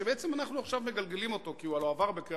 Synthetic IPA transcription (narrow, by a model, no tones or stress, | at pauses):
ebeet͡se̞manaχnuaχʃavme̞ɡalɡe̞limo̞t̪o̞kiualoavaʁbe̞ke